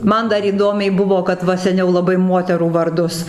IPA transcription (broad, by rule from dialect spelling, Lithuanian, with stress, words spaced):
ˈmɐn dɐr iːˈdoːmʲɛɪ ˈbʊʋoː kɐt ˈʋɐ sʲɛˈnʲɛʊ lˠɐˈbɐɪ ˈmuɔtʲɛruː ʋɐrˈdʊs